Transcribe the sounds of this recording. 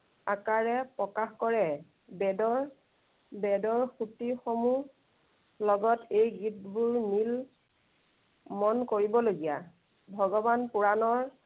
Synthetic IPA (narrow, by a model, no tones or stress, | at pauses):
akaɹɛpɹɔkaxkɔɹɛ | bɛdɔɹ | bɛdɔɹxutixomu | lɔɡɔtejɡitbuɹnil | mɔnkoɹibɔloɡija | bʱɔɡɔbanpuɹanɔɹ